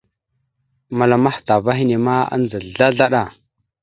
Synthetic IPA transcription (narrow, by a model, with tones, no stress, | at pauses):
ma˨la˨ma˦hta˨va˦ɦi˦ne˨ma˦a̰˦nd͡zə˨ɮa˦ɮa˦ɗa˦˨